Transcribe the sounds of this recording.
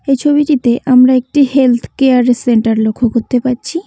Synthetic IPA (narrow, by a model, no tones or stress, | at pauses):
ejt͡ɕʰobiʈit̪eʔamɾaek̚ʈihelt̪ʰkeaɾeseɳʈaɾlokʰːokot̪ːepaɾɕʰi